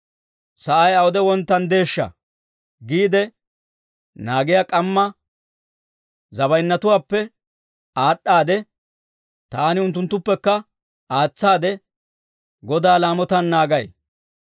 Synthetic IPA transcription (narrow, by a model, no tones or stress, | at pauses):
sɐʔɐjɐwɔd̪ɛwɔnt̪ːɐnd̪e̞ːʃːɐ̰ | ɡiːd̪ɛ | naːɡɪjakʼɐmːɐ | zɐbɐjnːɐt̪ʊwaːpːɛ | aːɗːaːd̪ɛ | t̪aːnɪʊnt̪ːʊnt̪ːʊpːɛkːɐ | aːt͡sːaːd̪ɛ | ɡɔd̪aːlaːmɔt̪ɐnːaːɡɐj